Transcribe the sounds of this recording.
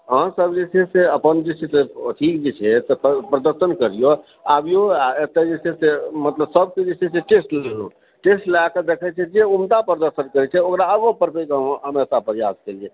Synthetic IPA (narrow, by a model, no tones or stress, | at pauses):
əɦãsəbd͡ʒet͡ʃʰɛseəpənd͡ʒet͡ʃʰɛseʈʰik̚d͡ʒet͡ʃʰɛt̪ɔppɾəd̪əɾsənkəɾijo | a̰bijoaet̪ed͡ʒet͡ʃʰɛsemət̪ləbsəb̚ked͡ʒet͡ʃʰɛseʈesʈlelo̰ | ʈesʈlaked̪ekʰɛt͡ʃʰɛd͡ʒeumd̪apɾəd̪əɾsənkəɾɛt͡ʃʰɛokɾaəbõpəɾpʰekəmesapəɾijaskelie